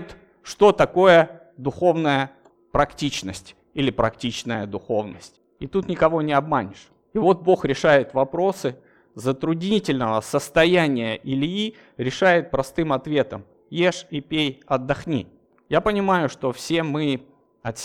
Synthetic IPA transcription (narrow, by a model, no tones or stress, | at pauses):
t̪ | ʂt̪o̞t̪ɐko̞jə | d̪ʊxo̞vnəjə | pɾɐktʲit͡ɕnəsʲtʲ | ilʲɪpɾɐktʲit͡ɕnəjəd̪ʊxo̞vnə̰sʲtʲ | ɪt̪ut̪nʲɪkɐvo̞nʲɪɐbmanʲɪʂ | ɪvo̞t̪̚bo̞xɾʲɪʂajɪt̪vɐpɾo̞sɨ | zət̪ɾʊdʲnʲitʲɪlʲnəvəsəst̪ɐjænʲɪjəʔɪlʲi | ɾʲɪʂajɪt̪̚pɾɐst̪ɨmɐt̪vʲe̞t̪əm | je̞ʂipʲejɐd̪ːɐxnʲḭ | japənʲɪmajʊʂt̪o̞fsʲe̞mɨ | ɐt̪sʲ